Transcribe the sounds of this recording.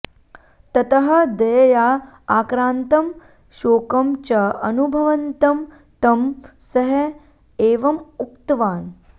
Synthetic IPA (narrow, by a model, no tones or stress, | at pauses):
t̪ɐt̪ɐɦɐ̆d̪ɐjɐjaː | aːkɾaːnt̪ɐm | ʃoːkɐmt͡ʃɐɐnubʱɐʋɐnt̪ɐm | t̪ɐmsɐɦɐ | eːʋɐmukt̪ʋaːn